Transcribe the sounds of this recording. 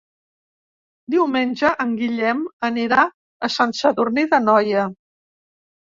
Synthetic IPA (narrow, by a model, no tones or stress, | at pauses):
d̪iwmenʲʒəʔəŋɡiʎɛməniɾa | əsansəðurniðənɔjə